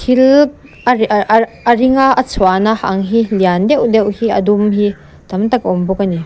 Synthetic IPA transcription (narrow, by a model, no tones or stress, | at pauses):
tʰilk̚ | əriŋaɐt͡sʰwanaha̰ŋɦiliand̪ɛwd̪ɛwhiɐd̪umɦi | t̪ɐmt̪ɐkɔmbɔkani